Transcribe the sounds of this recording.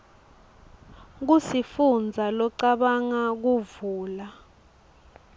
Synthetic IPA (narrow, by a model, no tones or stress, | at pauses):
k̬usifund͡zʱalɔǀaɓaŋak̬uvuːla